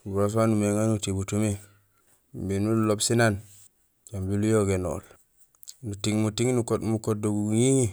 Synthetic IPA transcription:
buɾos̬wanumeŋanutibutume | mbinulobsinan | ɟambilujoɡeno̰l | nutiŋmutiŋnukomukod̚oɡuɡɲiŋi

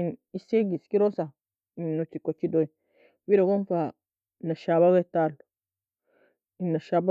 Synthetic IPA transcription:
iniseɡiskiɾosa | inːot͡ʃːikot͡ʃːidoi | wiɾoɡonfa | naʃaβaɡetal | inːaʃaba

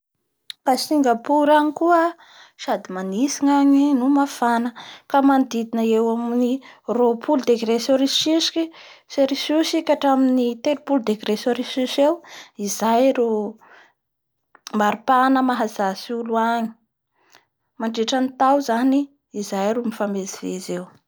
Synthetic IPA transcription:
kasiŋɡapuɾaɲikuə | ʃad̪imanisiŋaɲinumafanəkamand̪id̪inəewamniropʰuld̪eɡɾesoɾiʃisi̥kiseɾisusikaʈ͡ʂaminit̪elupuld̪eɡɾesoɾisisewizajɾu | maɾipanəmaɦazasuluaɲi̥ | maɳɖ͡ʐeʈ͡ʂanit̪awzaniː | zajɾumifamezivezew

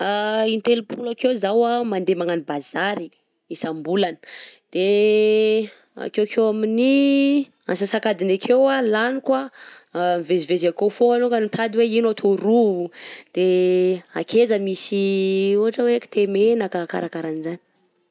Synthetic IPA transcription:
aint̪elupʰulakewzawamand̪emaŋanibazaɾi | isambulanə̥d̪̥e | a̰kekʰewamini | a̰nsasakad̪inakʰewalanikwa | mivezivezakofoŋanokanit̪ʰad̪iweinat̪ʰoɾuud̪̥eakʰezəmisiuɦaʈ͡ʂəweki̥t̪emenakaka̰ɾakaɾanizani̥

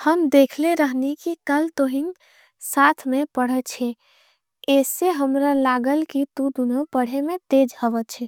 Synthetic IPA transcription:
həmd̪ekʰleɾəɦnikikəlt̪oɦin | sat̪ʰmẽpəɽ̤ət͡ʃʰɛ | esːeɦəmɾalaɡəlkit̪ud̪unopəɽ̤emẽt̪ed͡ʒhəʋət͡ʃʰɛ

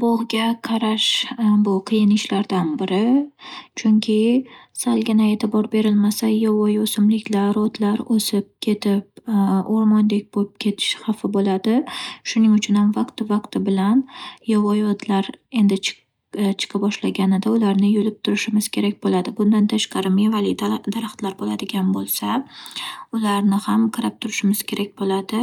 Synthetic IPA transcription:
boʁɡʲaqʰɑɾaʃbʊqʰɨjɪnɪʃlaɾd̪anbɪɾɪt͡ʃʰʊŋkʲʰɪsalɡʲɪnae̞t̪ʰɪbɒɾbe̞ɾɪlmasajɒvɒjosɪmlɪkʲlaɾɒd̪laɾosɪp̚kʲʰe̞t̪ʰɪp̚oɾmɒnd̪ek̚ʲboɪp̚kʲʰe̞t̪ʰɪ̥ʃhɑfɪbolad̪ɪʃʊnɪŋʊt͡ʃʰʊnhamvaqt̪ɪvaqt̪ɪbɪlanjɒvɒjɒd̪laɾe̞nd̪ɪt͡ʃ | t͡ʃʰɨ̥qʰɨbɒʃlaɡʲanɪd̪aʊlaɾnɪjolɪp̚t̪ʰʊɾɪʃɪmɪz̥kʲʰe̞ɾak̚ʲbolad̪ɪbʊnd̪ant̪ʰaʃqɑɾɪmevalɪd̪aɾaχt̪laɾbolad̪ɪɡʲanbolˠsa | ʊlaɾnɪhamqʰɨɾap̚t̪ʰʊɾɪʃɪmɪz̥kʲʰe̞ɾakʲbolad̪ɪ

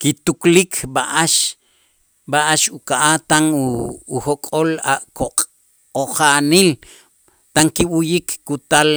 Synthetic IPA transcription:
kit̪uklikʰɓaʔaʃ | ɓaʔaʃukaʔat̪aŋuːhokʼolaʔkoqʼ | oχanil | t̪aŋkiɓujikːut̪al

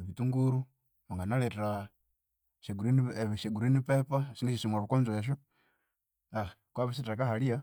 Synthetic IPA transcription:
eβituŋɡuɾu | maŋɡanaleteɾa | ʃeɡuɾinβʃeɡuɾinipepasiniʃiʃimaβukonzoeʃ̬u | akwaβis̬iteɾakahalija

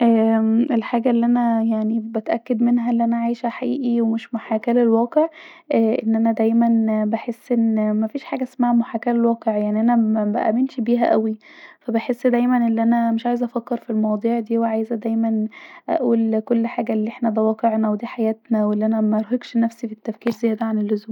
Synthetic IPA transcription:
ʔæːʔelħaːɡæelːiʔænæjaʕnibæt̪ʔækːed̪menɦæʔelːiʔænæʕajʃæħaʔiːʔiwemeʃmoħaːkælelwæːqeʕ | ʔæʔenːʔænæd̪æjmænbeħesːʔenːmæfiːʃħaːɡæʔsmaːhæmoħaːkælelwæːqeʕjaʕniʔænææbæʔæ̰menʃbiːɦæʔæwifæbeħesːd̪æjmænʔelːʔænæmeʃʕaːjezʔæfækːeɾfilmɑwɑd̪ˤiːʕd̪iːweʕaːjzæd̪æjmænʔæ̰ʔuːlkolːħaːɡælːiʔeħnæbæwɑːqeʕnæwd̪iːħajæːt̪næwelːiʔænæmæɑɾˤɦeɡʃnæfsifit̪ːæfkiːɾzæjːæd̪æʕanelːozuːm

